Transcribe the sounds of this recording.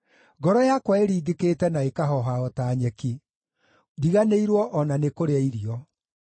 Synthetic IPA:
ɡɔɾɔjakwaeɾiːɡeketɛnaekaɦɔɦaɔtaːɲɛki | diɣaneiɾwɔʔɔnanekoɾeaiɾiɔ

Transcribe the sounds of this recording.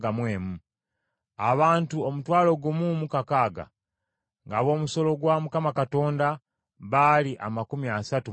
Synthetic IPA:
amweːmu | aβaːntuomutwaːlo̞ɡumumukakaːɡa̰ | ŋɡaβo̞ːmuso̞lo̞ɡwamukamakato̞ːnda | βaliʔa̰makumiasatu

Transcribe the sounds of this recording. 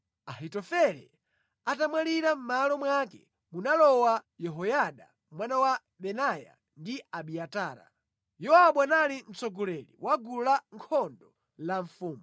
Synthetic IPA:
aɦitɔfɛɾɛ̰ | atamwaliɾam̩malɔmwakɛ̰ | munalɔwajɛɦɔjaɗa | mwanawa | ɓɛnaja̰ | ndiaɓiataːɾa̰ | jɔaɓwanalin̩t͡sɔɡɔlɛlḭwaɡulaŋkʰɔndɔ | laɱfuːmu

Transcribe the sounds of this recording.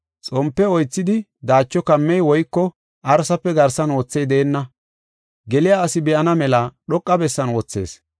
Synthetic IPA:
t͡sʼɔmpːɛɔjt͡sːɪd̪ɪ | d̪aːt͡ʃːɔkɐmːɛjwɔjkːɔ | ʔɐɾsɐpːɛɡɐɾsɐnwɔt͡sːɛjd̪eːnːɐ | ɡɛlɪjaːɐsɪbɛʔɐnɐmɛlɐɗɔkʼːɐbɛsːɐnwɔt͡sːe̞̰ːs

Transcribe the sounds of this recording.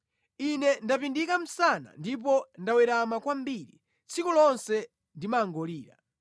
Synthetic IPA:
inɛndap̬indikam̩sana̰ndip̬ɔndawɛɾamakwambiɾi | t͡sʰikɔlɔnsɛ | ndimaːŋɡɔliːɾa̰

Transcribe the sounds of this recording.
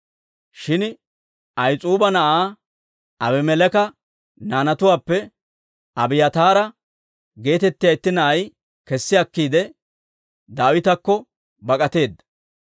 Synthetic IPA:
ʃɪn | ɐjt͡sʼuːbɐnɐʔaː | ɐbɛmɛlɛkɐ | naːnɐt̪ʊwaːpːɛ | ʔɐbɪjɐt̪aːɾɐ | ɡe̞ːt̪ɛt̪ːɪjɐjt̪ːɪnɐʔɐj | kɛsːɪɐkːiːd̪ɛ | d̪aːwɪt̪ɐkːɔ | bɐkʼɐt̪e̞ːd̪ːɐ̥

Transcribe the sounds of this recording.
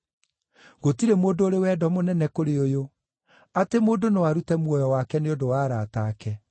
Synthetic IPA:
ɣotiɾemoːndoːɾewɛːdɔmonɛnɛkoɾeojo | atemoːndonewaɾutɛmwɔjɔwakɛneodowaːɾaːtaːkɛ

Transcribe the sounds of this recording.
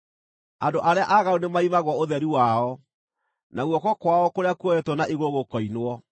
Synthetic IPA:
andoʔaɾeaʔaɣaunemaimaɣwɔoðɛɾiwaɔ | naɣwɔkɔkwaɔkoɾeakwoɛtwɔnaʔiɣoɣokɔinwɔ

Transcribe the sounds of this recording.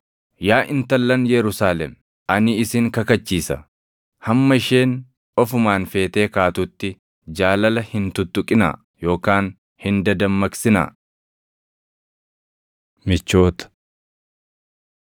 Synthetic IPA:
jaːʔɪnt̪ɐlːɐnjɛɾʊsaːlɛm | ʔɐnɪɪsɪŋkɐkɐt͡ʃːiːsɐ̰ | hɐmːɐɪʃe̞ːn | ɔfʊmaːnfe̞ːt̪e̞ːkaːt̪ʊt̪ːɪ | d͡ʒaːlɐlɐhɪnt̪ʊt̪ːʊkʼɪna̰ː | jo̞ːkaːn | hɪnd̪ɐd̪ɐmːɐksɪna̰ː | mɪt͡ʃːo̞ːt̪ɐ̥

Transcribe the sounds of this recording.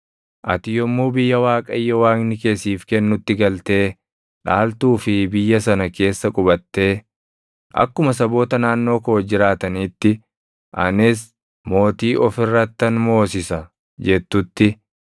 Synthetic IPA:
ʔɐ̰t̪ɪjɔmːuːbɪjːɐwaːkʼɐɪjːɛwaːknɪke̞ːsiːfkɛnːʊt̪ːɪɡɐlt̪e̞ː | ᶑaːlt̪uːfɪbɪjːɐsɐnɐke̞ːsːɐkʼʊbɐt̪ːe̞ː | ʔɐ̰kːʊmɐsɐbo̞ːt̪ɐnaːnːo̞ːkoːd͡ʒɪɾaːt̪ɐniːt̪ːɪ | ʔɐ̰nɪs̬ | mo̞ːt̪iːʔɔfɪrːɐt̪ːɐnmo̞ːsɪsɐ | d͡ʒɛt̪ːʊt̪ːɪ

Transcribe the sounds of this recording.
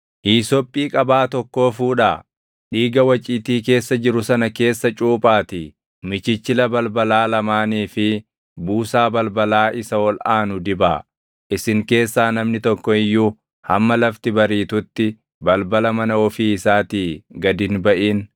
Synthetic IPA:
hiːsɔpʼːiːkʼɐbaːt̪ɔkːo̞ːfuːᶑaː | ᶑiːɡɐwɐt͡ʃʼiːt̪iːke̞ːsːɐd͡ʒɪɾʊsɐnɐke̞ːsːɐt͡ʃʼuːpʼaːt̪i | mɪt͡ʃɪt͡ʃːɪlɐbɐlbɐlaːlɐmaːniːfɪ | buːsaːbɐlbɐlaːʔɪsɐwɔlaːnʊd̪ɪbaː | ʔɪsɪŋke̞ːsːaːnɐmnɪt̪ɔkːɔɪjːuː | hɐmːɐlɐft̪ɪbɐɾiːt̪ʊt̪ːɪ | bɐlbɐlɐmɐnɐɔfiːɪsaːt̪iːɡɐd̪ɪnbɐʔiːn

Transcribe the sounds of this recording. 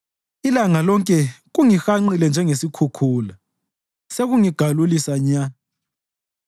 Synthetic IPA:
ilaŋalɔŋkʼɛɣuŋixaŋ͡ǀilɛnd͡ʒʱɛŋesikʰukʰuːla | seɣuŋiɡ̥ʱalulisaɲa

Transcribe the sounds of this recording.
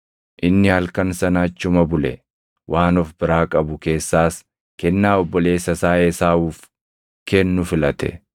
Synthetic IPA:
ʔɪnːɪhɐlkɐnsɐnaːt͡ʃːʊmɐbʊlɛ̰ | wʔaːnɔfbɪɾaːkʼɐbʊke̞ːsːaːs | kɛnːaːɔbːɔle̞ːsːɐsaːʔesaːuːf | kɛnːʊfɪlɐt̪ɛ̰

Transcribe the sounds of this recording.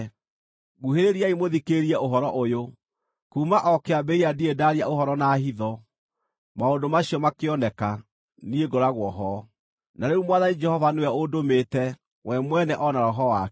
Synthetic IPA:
ɣuɦeɾeɾiaimoðikeɾiɛoɦɔɾɔʔojo | kuːmaʔɔkeabeiadiedaɾiaohɔɾɔnaɦiðɔ | maondomaɕiɔmakeɔnɛka | nieɡoɾaɣwɔɦɔ | naɾeɾumwaðanid͡ʒɛhɔvaneaodomeːtɛ | wɛmwɛnɛʔɔnaɾɔɦɔa

